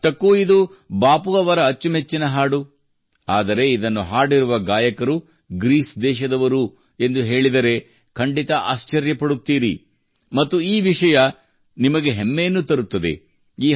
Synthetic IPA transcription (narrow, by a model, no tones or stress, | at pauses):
ʈɐkːuid̪ubaːpuɐʋɐɾɐːt͡ʃːumet͡ʃːinɐɦaːɽu | aːd̪ɐɾe̞id̪ɐnːuɦaːɽiɾuʋɐɡaːjɐkɐɾu | ɡɾiːsd̪ɛːʃɐd̪ɐʋɐɾu | e̞nd̪uɦe̞ːɭid̪ɐɾe̞ | kʰɐɳɖit̪ɐʔa̰ːst͡ʃɐɾjɐpɐɽut̪ːiːɾi | mɐt̪ːuiːʋiʂɐjɐ | nimɐɡeɦemːe̞ːnːut̪ɐɾut̪ːɐd̪ḛ | iː